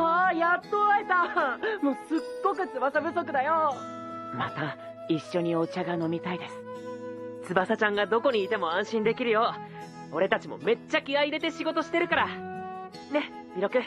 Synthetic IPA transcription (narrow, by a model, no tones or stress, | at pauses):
ajat̪ːoaet̪amosɨɡːo̞kɯ̟t͡sɨbasabɯ̟so̞k̬ɯ̟d̪ajo | ma̰t̪a | iɕːo̞ɲ̟io̞t͡ɕaɡano̞mʲit̪aid̪e̞sɨ̥ | t͡sɨbasat͡ɕãŋɡad̪o̞ko̞ɲ̟iːt̪e̞mo̞ãɰ̃ɕĩnd̪e̞kʲiɾɯ̟jo̞ | o̞ɾe̞t̪at͡ɕimo̰me̞t͡ɕːakʲiaid̪e̞t̪e̞ɕiɡo̞t̪o̞ɕi̥t̪e̞ɾɯ̟kaɾa | ne̞ | iɾo̞kɯ̟